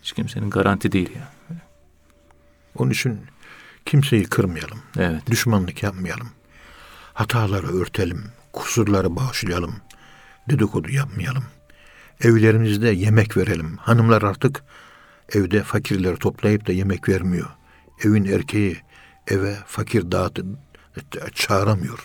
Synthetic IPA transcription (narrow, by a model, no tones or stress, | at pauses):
it͡ʃcʰimseninɡaɾant̪ʰid̪ejilʲja | onunyt͡ʃʰincʰimse̞jikʰɯɾmɯjalˠɯmɛvɛt̪d̪d̪yʃmanlˠɯkjap̚mɯjalˠɯm | hat̪ʰaːlˠaɾɯøɾt̪ʰelʲim | kʰu̥suɾlˠaɾɯbaːʃlˠɯjalˠɯm | d̪ed̪ikʰo̞d̪ujap̚mɯjalˠɯm | ɛvlʲeɾimizd̪ɛjemɛcveɾelʲimhanɯmlˠaɾaɾt̪ʰɯk | ɛvd̪ɛfacʰiɾlʲeɾit̪ʰo̞plˠajɯp̚d̪ajemɛcvæɾmijo̞ɾ | evinæɾcʰeji | ɛvɛfacʰiɾd̪aːt̪ʰɯ | t͡ʃʰaːɾamɯjo̞ɾ̥